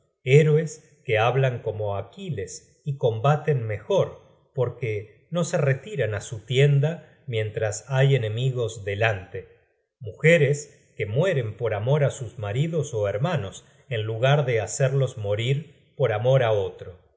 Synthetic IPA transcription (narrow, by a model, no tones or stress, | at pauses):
eɾwes | keaβlaŋko̞mo̞akiles | iko̞mbat̪enme̞xo̞ɾ | po̞ɾke | no̞se̞ret̪iɾanasut̪je̞nd̪a | mje̞nt̪ɾasaje̞ne̞miɣo̞zðe̞lant̪e | muxeɾes | kemwe̞ɾe̞mpo̞ɾamo̞ɾasuzmaɾiðoso̞eɾmano̞s | enluɣaɾðe̞aseɾlo̞zmo̞ɾiɾ | po̞ɾamo̞ɾaot̪ɾo̞